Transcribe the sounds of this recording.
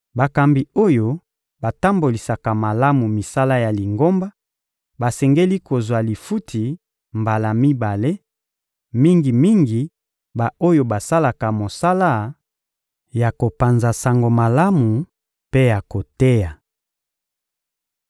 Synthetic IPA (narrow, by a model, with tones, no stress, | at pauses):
ba˨ka˨mbi˨o˦jo˨ | ba˨ta˦mbo˨li˨sa˨ka˨ma˨la˦mu˨mi˨sa˦la˦ja˨li˨ŋɡo˦mba˦ | ba˨sɛ˨ŋɡe˦li˦ko˨zwa˨li˨fu˦tʰi˨ | mba˨la˨mi˦ba˨le˦ | mi˦ŋɡi˨mi˦ŋɡi˨ | ba˨o˦jo˨ba˨sa˦la˨ka˨mo˨sa˦la˦ | ja˨ko˨pa˨nza˨sa˨ŋɡo˨ma˨la˦mu˨ | pe˦ja˨ko˨te˦ja˨